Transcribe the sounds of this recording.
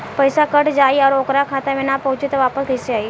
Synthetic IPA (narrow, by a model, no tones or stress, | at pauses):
pəjsakəʈd͡ʒajaɾokɾakʰat̪aʋenapəut͡ʃit̪ʋapəsɡəseaj